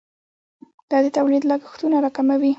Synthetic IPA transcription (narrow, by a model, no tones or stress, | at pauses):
d̪̥ɑd̪ət̪awlid̪lɑɡɪxt̪unaɾɑkamawi